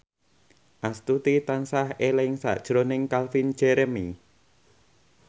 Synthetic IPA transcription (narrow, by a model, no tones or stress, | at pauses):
ʔast̪ut̪it̪ansahelɪŋsa̰ʔd̥ʒ̥ɾonɪŋkalfin̥d͡ʒ̥ɛɾɛmi